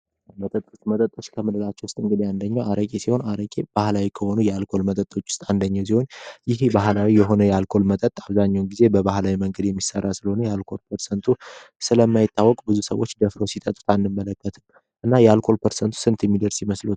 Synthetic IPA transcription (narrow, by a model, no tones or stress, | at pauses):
mət̪ʼət̪ʼːot͡ʃmət̪ʼət̪ʼːo̞t͡ʃːkʰəmɨlɨlat͡ʃːɛwʊst̪ʼɨŋɡɨd̪iand̪əɲːawaɾəkʼesiho̞naɾəkʼeb̥ahlawikʰəho̞nujɛalkʰolmət̪ʼət̪ʼːo̞t͡ʃːwʊ̥st̪ʼand̪əɲːaws̬iho̞njɪhbaɦlawijɛɦo̞nəjɛalkʰo̞lmət̪ʼət̪ʼaβzaɲːawnɡize̞bəbahlawiməŋɡəd̪jɛmːisə̰rːasɨləho̞nəjɛalkʰo̞lpʰəɾsənt̪ʰusɨləmːajɪt̪ːawːɔkʼbɨzusə̰wot͡ʃːd̪əfɾowsit̪ʼət̪ʼu̥t̪ʰanːɨmːələkːət̪ʰɨn | ʔɨnːajɛalkʰo̞lpʰəɾsənt̪ʰu̥sɨnt̪ʰɛmːid̪əɾsjɪməslut̪